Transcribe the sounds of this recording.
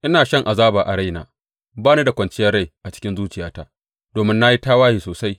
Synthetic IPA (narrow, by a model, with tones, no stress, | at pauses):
ʔɪ˦naː˨ʃɐ˦ŋʔa˨zaː˦ba˨ʔa˨ɽa˦jna̰ː˨ | baː˦ni˦da˨kʷɐ˨nt͡ʃɪ˦jɐ˦rːa˦˨jʔa˨t͡ʃɪ̥˦kʲɪ˦nzuː˦t͡ʃɪ˨jaː˦ta̰ː˦ | d̥oː˨mɪ˦nːa˦ji˦taː˦waː˦hiː˨soː˨sa˦j